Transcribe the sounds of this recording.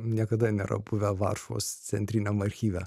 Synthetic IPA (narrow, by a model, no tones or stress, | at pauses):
nʲiɛkɐd̪ɐnʲɛɾɐ̰bʊʋʲɛʋɑ̰ɾʃo̰ːst͡s̪ʲɛnʲt̪ʲɾʲinʲomɐɾʲxʲiːʋʲɛ